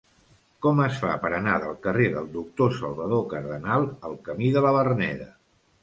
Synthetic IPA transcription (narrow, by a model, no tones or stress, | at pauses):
kɔməsfa̰pəɾənaðəlˠkəreðəlˠd̪uk̚t̪osəlˠβəðokəɾðənalˠəlˠkəmiðələβərnɛðə̰